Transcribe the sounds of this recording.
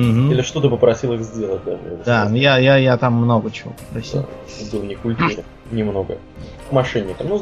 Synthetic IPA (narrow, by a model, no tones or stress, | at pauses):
m̩ɦm̩ilʲɪʂt̪o̞t̪ɨpəpɾɐsʲilˠɨɣzʲdʲelˠət̚ʲd̪a̰ɛ̰d̪d̪ajajajat̪amːno̞ɡət͡ɕɪvo̞̰pə̥pɾɐsʲḭlˠ | bɨlˠnʲɪkʊlʲt̪uɾɨ | nʲɪmno̞ɡə̰ | kmɐʂɛnʲːɪk̪əmnu